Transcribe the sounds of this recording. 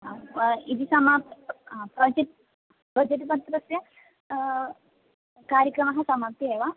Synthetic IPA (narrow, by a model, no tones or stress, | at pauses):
id̪isama | pɾɐd͡ʒit̪ | pɾɐd͡ʒeʈipɐnt̪ɾɐsjɐ | kaːɾjəkɾɐmɐɦɐsɐmap̚t̪ieʋa